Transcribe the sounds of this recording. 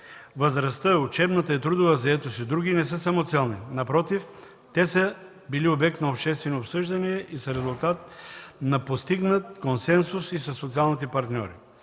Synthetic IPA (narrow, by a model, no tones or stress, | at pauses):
vəzɾɐst̪əʊt͡ʃɛbnət̪əɛt̪ɾud̪ʊvɐzɐɛt̪osid̪ɾuɡinɛs̬əsɐmot̪sɛlˠninɐpɾɔt̪if | t̪ɛsə | biliobɛk̚t̪nɐopʃt̪ɛst̪vɛnoopsɤʒd̪ɐniɛʔisəɾɛzʊlˠt̪at̪̚nɐpost̪iɡnət̪̚konsɛnsʊsisɐsːot̪sialˠnit̪ɛpɐɾt̪nʲɔ̰ɾḭ